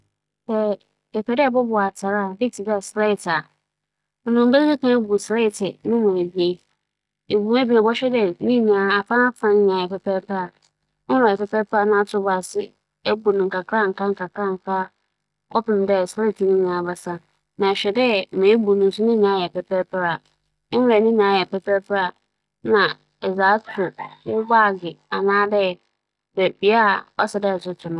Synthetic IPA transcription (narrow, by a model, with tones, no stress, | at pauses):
sɛ˨ | ɛ˨pʰɛ˨dbɔ˦bʊ˨a˨tʰa˨ɾa˦˨dɪ˦tʰi˨dɛ˦ɛ˨sɾɛ˦ɪ˨tʰa˨ | nʊ̃˨nʊ̃˨m̩˦be˦i˦kʰã˨˦bu˨sɾɛ˦ɪ˨tʰɪ˨nʊ̃˦nʊ̃˨e˨bi˨˦e˨˦ | e˨bu˨m˦æ˦bi˨a˨bɔ˦ɕᶣɛ˦dɛ˦nĩ˦nĩ˨a˨a˨fã˦fã˨n˦ɲ̃˨a˨ɛ˨pɛ˨pʰɛ˦ɾpʰa˦a˨ | nʊ˦nã˨ɛ˨pɛ˦pɛ˦pʰːnʊ̃˦a˦tʰʊ˦ʊ˦ba˨sɪ˦ | ɛ˦bu˨nʊ̃˨ŋ̩˨ka˨kʰɾa˦ŋ̩˨ka˦ŋ̩˦ka˨kɾa˦˨ŋ̩˨kʰa˦ | kɔ˦pɪ˨m˨˦dɛ˦˨sa˦˨tʰi˦nĩ˦nĩ˨a˨ba˨sã˦ | nã˨ɕᶣɛ˨dɛ˦˨mẽ˨e˦bu˨nʊ̃˨n̩˨sʊ˦nĩ˦ñ˨a˦jɛ˨pɛ˦pʰɛ˦pʰɾa˨˦ | ɛ˨nĩ˦nĩ˨a˨jɛ˨pɛ˦pɛ˦pa˨ | nã˨ | ɛ˨zaː˨˦tʰʊ˨wʊ˦baː˦˨ɡɪ˨a˨nãː˦dɛ˦˨ | dɛ˨bi˨a˦˨ɔ˦sɛ˨dɛ˦˨sʊ˦tʰɪ˨nʊ̃˦